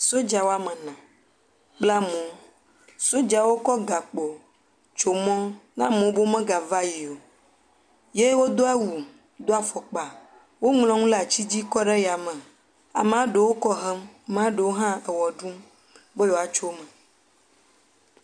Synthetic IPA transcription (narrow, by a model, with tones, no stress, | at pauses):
so˦d͡ʒa˨wo˦a˦mɛ̃˨nã˨ | k͡pla˦mõ˨ | so˦d͡ʒa˨wo˦kɔ˦ɡa˨k͡po˨ | t͡ʃo˨mɔ̃˦nã˦mõ˨˦bo˦mɛ̃˦ɡa˨va˦ji˨o˨ | je˦wo˦d̪o˦a˦wu˨ | d̪o˦a˨fɔ˨k͡pa˨ | wo˦ŋlɔ̃˨˦ŋũ˦la˨t͡ɕi˦d͡ʑi˦kɔ˦ɖɛ˦ja˨mɛ̃˨ | a̰˨mẽ˨˦a˦ɖe˨wo˦kɔ˦ɦɛ˦m˨m˨a˦ɖe˨wo˦ɦã˦e˨wɔ˨ɖu˦m | be˦jo˨a˨t͡ʃo˦mə̃˨